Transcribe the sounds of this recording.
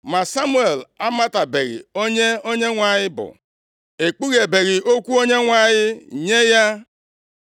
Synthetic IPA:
ma˨sa˦mu˦e˨la˦ma˦ta˨be˨ɾɪ̰˨o˦ɲe˦o˦ɲe˦ŋʷa˨ɲɪ˦bʊ̰˨ | e˨k͡pu˦ɣe˨be˨ɾi˨ʔo˦kʷu˦o˦ɲe˦ŋʷa˨ɲɪ˦˨ɲe˦ja˦

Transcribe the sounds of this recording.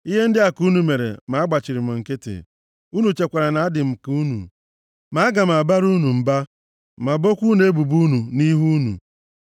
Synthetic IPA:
i˦ɦe˦n̩˦dɪ˦a˨ku˨˦nu˨me˨ɾḛ˨ma˨˦a˦ɡ͡ba˨t͡ʃɪ˨ɾɪ˨m̩˨ŋ̩˨ke˦tḛ˨ | u˦nu˨t͡ʃe˨kʷa˨ɾa˨na˨˦a˦dɪ˨m̩˨ku˨˦nṵ˨ | ma˨˦ɡa˨m̩˨a˨ba˦ɾu˦nu˨m̩˨ba˦ | ma˨bo˦kʷu˦ne˨e˦bu˨bu˦nu˨ni˦ɦu˦nṵ˨

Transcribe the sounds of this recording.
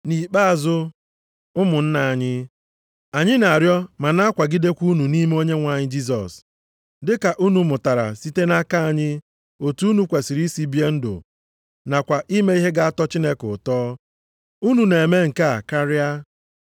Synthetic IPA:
ni˨k͡pa˦a˨zʊ˦ | ʊ˦mʊ˨n̩˦na˨a˨ɲɪ˦ | a˨ɲɪ˦na˨ɾjɔ˦ma˨na˦a˦kʷa˨ɡi˦de˦kʷu˦nu˨ni˦me˦o˦ɲe˦ŋʷa˨ɲɪ˦d͡ʒi˦s̬ɔ̰˨s | dɪ˦ka˨ʔu˦nu˨mʊ˨ta˨ɾa̰˨si˦te˦na˦ka˦a˨ɲɪ˦ | o˨tu˦nu˨˦kʷe˨si˨ɾi˦si˦bi˦e˦n̩˦dʊ̰˨ | na˨kʷa˨ʔi˦me˦i˦ɦe˦ɡa˦a˦tɔ˦t͡ʃi˦ne˦kʊ˨tɔː˦ | u˦nu˨ne˨e˨me˦ŋ̩˨ka˦a˨ka˦ɾɪ˦a˦

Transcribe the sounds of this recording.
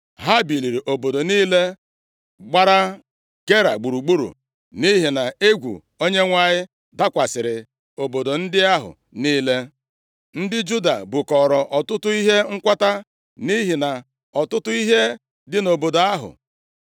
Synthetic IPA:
ɦa˦bi˨li˨ɾi˨ʔo˨bo˨do˨niː˦le˦ | ɡ͡ba˦ɾa˦ | ɡe˦ɾa̰˨ɡ͡bu˨ɾu˨ɡ͡bu˦ɾṵ˨ | ni˦ɦi˨na˨e˦ɡʷṵ˨ | o˦ɲe˦ŋʷa˦˨ɲɪ˦ | da˦kʷa˨sɪ˨ɾɪ˨ | o˨bo˨do˨n̩˦dɪ˦a˦ɦʊ̰˨ | niː˦le˦ | n̩˦dɪ˦d͡ʒu˦da̰˨bʊ˨kɔ˨ɾɔ˨ʔɔ˨tʊ˦tʊ˦i˦ɦe˦ŋ̩˦kʷa˦ta˦ | ni˦ɦi˨na˨ | ɔ˨tʊ˦tʊ˦i˦ɦe˦ | dɪ˦no˨bo˨do˨a˦ɦʊ̰˨

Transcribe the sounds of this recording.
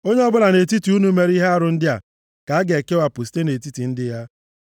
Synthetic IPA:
o˦ɲe˦ɔ˦bʊ˦la˨ne˨ti˦ti˨u˦nu˦me˦ɾi˦ɦe˦a˦ɾʊ˨˦n̩˦dɪ˦a̰˨ | ka˨a˦ɡe˨ke˦wa˨pʊ˨s̬i̥˦te˦ne˨ti˦ti˨n̩˦dɪ˦ja˦

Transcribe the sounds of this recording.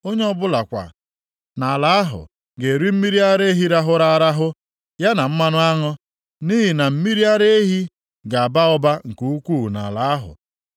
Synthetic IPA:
o˦ɲe˦ɔ˦bʊ˦la˨kʷa̰˨ | na˨la˨a˦ɦʊ̰˨ | ɡe˨ɾi˦m̩˦mi˦ɾi˦a˦ɾe˦ɦi˦ɾa˦ɦʊ˦ɾa˦a˦ɾa˦ɦʊ˦ | ja˦na˨m̩˦ma˦nʊ˦a˦ŋɔ˦ | ni˦ɦi˨na˨m̩˦mi˦ɾi˦a˦ɾe˦ɦi˦ | ɡa˨a˨ba˦ɔ˦ba˦ŋ̩˨ku˨u˦kʷu˦˨na̰˨la˨a˦ɦʊ̰˨

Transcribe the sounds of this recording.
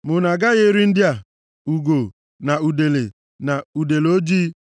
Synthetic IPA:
mʊ˨na˨ɡa˦ɣe˦ɾi˦n̩˦dɪ˦a˨ | u˨ɡo˨ | na˨u˨de˨le˨ | na˨u˨de˨lo˦d͡ʒi˦

